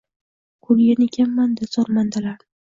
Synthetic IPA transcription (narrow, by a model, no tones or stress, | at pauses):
kʰolɡʲanekʲʰamːand̪ɪzɒɾmand̪alaɾ